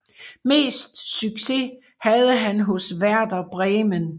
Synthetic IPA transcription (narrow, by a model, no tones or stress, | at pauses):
me̝̰ːsd̥syɡ̥se̝ | hæð̞ˠəɦænɦɔ̽sʋæɐd̥ɐb̥ʁɛːmən